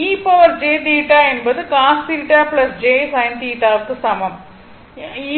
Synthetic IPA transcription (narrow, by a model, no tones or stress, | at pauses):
iːpːɐʋɐrd͡ʑeːt̪iːʈːaːjenbɐðɨkaːst̪iɾiʈːaːpɭɐsd͡ʑeːsaːjnt̪iːʈːaːɐkːɨsɐmɐm | iː